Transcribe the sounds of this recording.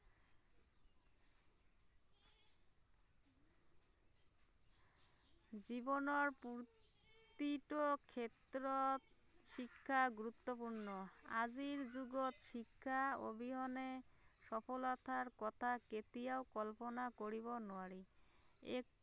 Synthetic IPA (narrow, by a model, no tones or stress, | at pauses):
d͡ʑibonoɾpuɾ | t̪iʈokʰet̪ɾot̪ | ʃikʰːaɡuɾut̪ːopuɾnoa̰d͡ʑiɾd͡ʑuɡot̪ʃikʰːao̰bʱiɦɔneʃɔpolat̪ʰaɾkɔt̪ʰaket̪iaokɔlponakoɾiβonɔaɾi | e